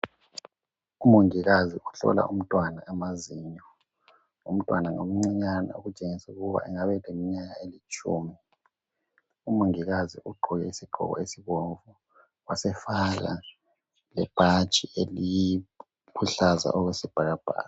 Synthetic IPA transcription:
umuŋiɣaziuɬɔ̰la̰ʔum̩tʼwanaɛmaziɲɔ | ṵm̩tʼwanaŋo̰m̩ŋ͡ǀiɲana̰oɣut͡ʃʼeŋisɛuɣuβa̰ʔɛŋaβɛlemiɲaɣaelit͡ʃʼṵːmi | umuŋiɣaziʔuɡ͡ǃʱuɣɛisiɡ͡ǃʱɔ̰ɣɔ̰esiβoɱvu | wasɛfaɣa̰ | lɛb̥ʱat͡ʃʼieliji | pʰuɬaza̰ʔɔɣwesib̥ʱaɣab̥ʱa̰ːɣa

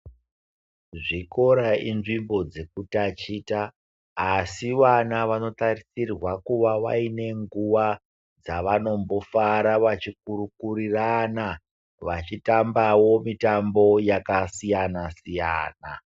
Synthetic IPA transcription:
ʐiko̞ɾainʐimbo̞d͡ze̞kutat͡ʃiːtaː | siʋanaʋano̞tarisirwakuʋaʋa̰ine̞ŋɡuʋa | d͡zaʋano̞mbo̞faɾaʋat͡ʃik̚uɾukuɾirana | ʋat͡ʃitambawo̞mitambo̞jakasijanasija̰ːna̰

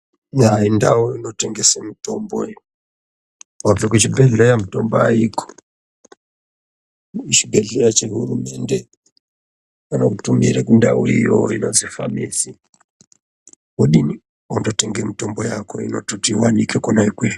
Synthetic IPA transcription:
jainda̰wuino̞teŋɡesemito̞mboi | avekut͡ʃibeɮejamuto̞mboaikʰo̥ | it͡ʃiɡʱeɮeɾat͡ʃeɦurume̞nde | kanokutumiɾekunda̰uḭjo̰inozifa̰misi | kuɗini | ondoteŋɡemitombojako̞ḭno̰totiwanikekonaikwe

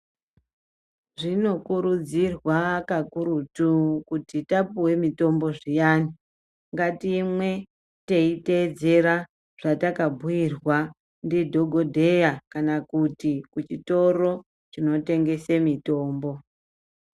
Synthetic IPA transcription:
ʐino̞kuɾud͡zirwakakuɾutukutitapuwe̞mito̞mbo̞ʐijaːni | ŋɡatiːmwe̞ | teite̞d͡ze̞ɾa | ʐ̥atakabʱujirwa | ndidʱo̞ɡʱo̞dʱe̞jakanakutikut͡ʃito̞ro̞ | t͡ʃino̞te̞ŋɡe̞semito̞ːmbo̞

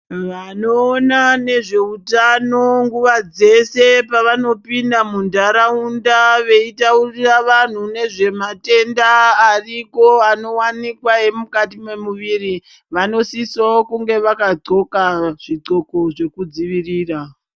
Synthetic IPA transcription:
ʋano̞ːnane̞ʐe̞utano̞ŋɡuʋad͡ze̞se̞paʋano̞pindamundaɾaundaʋe̞itauriraʋan̤une̞ʐe̞mate̞ndaːriko̞ano̞wanikwaemukatimemuʋiri | ʋano̞sisaokuŋɡe̞ʋakaǀo̞kaʐ̥iǀo̞ko̞ʐe̞kud͡ziʋiriːra

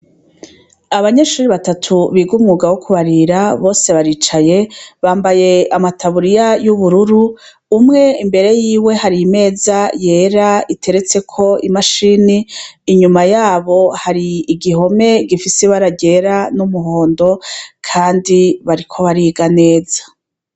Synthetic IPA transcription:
aβaɲe̞ːʃuːɾiβatatʰuβiɡumŋuːɡawokʰuβaɾiɾaβo̞ːse̞βaɾiːt͡ʃaje̞βaːmbaje̞amatʰaβuɾijajuβuɾuɾuː | mŋe̞imbe̞ɾe̞jiːwe̞haɾiime̞ːzaje̞ːɾaitʰe̞ɾe̞t͡se̞kʰo̞imaʃiniːɲumajaːβo̞haɾiːɡiho̞me̞ɡifiseβaɾaɟe̞ɾanumuhoːndo̞kʰaːndiβaɾikʰo̞βaɾiːɡane̞ːz̥a

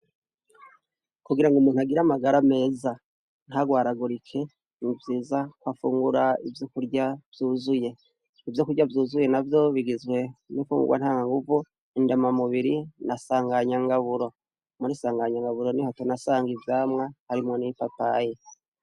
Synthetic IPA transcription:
kuɡiɾaŋɡumuːnhuaɡiɾamaɡaɾame̞ːza | n̥haɡwaːɾaɡuɾikʰe̞ | nivjiːzakwafuːŋɡuɾaivjokuɾɟavjuːzuje̞ | ivjokuɾɟavjuːzuje̞navjo̞βiɡizɡwe̞nifṵːŋɡṵɡwʔa̰nhaːŋaŋɡuvu | indemamuβiɾinasaːŋɡaɲaŋɡaβuɾo̞ | muɾisaːŋɡaɲaŋɡaβuɾo̞nihatonasaːŋɡivjaːmŋahaɾimŋo̞nipapaje

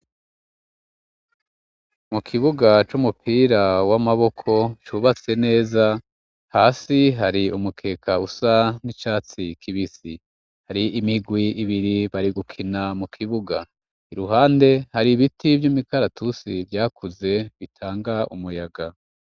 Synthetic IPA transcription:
mukʰiβuɡat͡ʃumupʰiːɾawamaβo̞kʰo̞t͡ʃuβat͡se̞ne̞ːza | haːsiɦaɾiumukʰe̞ːkʰausanit͡ʃaːt͡sikʰiβisi | haɾiʔimiɡwiːβiɾiβaɾiɡukʰinamukʰiβuɡa | iɾuɦaːnde̞haɾiβitʰivjumikaɾatʰusivjaːkuze̞βitʰaːŋɡaʔumujaɡa

